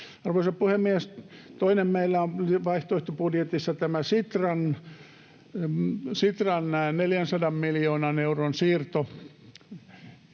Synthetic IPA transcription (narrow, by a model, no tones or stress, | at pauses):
ɑrʋoisɑppuhemːiæst̪oinemmeilːæonliʋɑiht̪oiht̪opudjet̪isːɑt̪æmæsit̪rɑn | sit̪rɑnneljænsɑdɑmmiljoːnɑneuronsiːrt̪o